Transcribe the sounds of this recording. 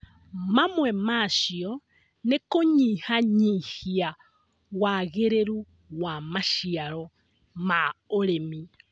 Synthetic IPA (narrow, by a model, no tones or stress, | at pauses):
mamwemaːʃio | nekoɲiːhaɲihia | waɣeɾeɾu | wamaʃiaɾo | maoɾemi